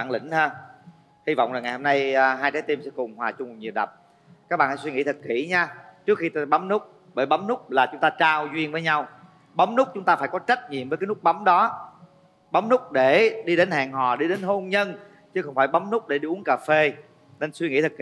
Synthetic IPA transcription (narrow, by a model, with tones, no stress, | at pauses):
a̰ː˧˨ŋlḭ̈˧˩ŋ̟əː˧ | hi˧va̰˧˨wŋ͡mlaː˨˩ŋa˨˩jho˧mna˧jɦaː˧jt͡ɕaː˨˦jt̪i˧msɛ̰˧˥kʊ˨˩ŋ͡mhwaː˨˩t͡ɕʊ˧ŋ͡mɲi˨˩əwɗə̰˨˩p̚ | ka˦k̚ɓa̰ː˧˨na̰ː˧˥swi˧ŋḭ˧˥t̪ʰɨ˨˩t̚kḭ˧˩ɲaː˧t͡ɕɨ˦˥əkxi˧t̪ːɓa˨˦ŋ͡mnʊ˦˥k͡p̚ | ɓəː˧˩jɓa˨˦ŋ͡mnʊ˦˥k͡p̚laː˨˩t͡ɕʊ˦ŋ͡mt̪aː˧t͡ɕaː˧wzwi˧ənvəː˨˦jɲa˧w | ɓa˨˦ŋ͡mnʊ˦˥k͡p̚t͡ɕʊ˦ŋ͡mt̪aː˧faː˧˩jkɔ˨˦t͡ɕə˦˥t̚ɲḭ˧˨mvə˨˦jkaː˨˦nʊ˦˥ɓa˨˦wŋ͡mɗɔ˨˦ | ɓa˨˦wŋ͡mnʊ˦˥k͡p̚ɗe˧˩ɗi˧ɗe˨˦nhaː˨˩ŋɦɔ˨˩ɗi˧ɗe˨˦nɦo˧nɲə˧n | t͡ɕɨ˨˦xə˧wŋ͡mfaː˧˩jɓa˨˦wŋ͡mnʊ˦˥k͡p̚ɗe˧˩ɗi˧ʔu˨˦ənkaː˨˩fe˧ | ne˧nswi˧ŋḭ˧˥t̪ʰɨ˨˩k